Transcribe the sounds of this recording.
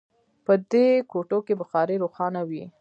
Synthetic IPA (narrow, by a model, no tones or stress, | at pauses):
pəd̪ekoʈokebəxɑɾeɾoxɑnawi